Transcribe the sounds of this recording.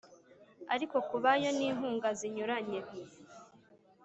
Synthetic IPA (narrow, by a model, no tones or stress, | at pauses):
aɾiko̞kuβajo̞niːnhuːŋɡaziɲuɾaɲeβi